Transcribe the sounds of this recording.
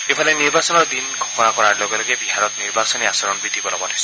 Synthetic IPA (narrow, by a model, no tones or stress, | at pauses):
epʰaleniɹbasɔnɔɹd̪inɡʱɔxɔnakɔɾaɹloɡɔlɔɡebiɦaɾɔt̪̚niɹbasɔniasɔɾɔnbɹid̪ʱibɔlɔbɔtɔjsɔ